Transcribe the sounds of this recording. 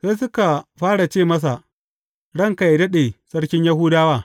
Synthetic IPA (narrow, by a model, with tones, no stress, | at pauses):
sa˦jsʊ˦ka˨ɸaː˦ɽa˨t͡ʃeː˦˨mɐ˦s̬a˨ | ɽɐ˦˨ŋka˨jdɐ˦ɗe˨sɐ˦ɽkʲɪ˦ɲja˦ɦuː˦daː˦waː˦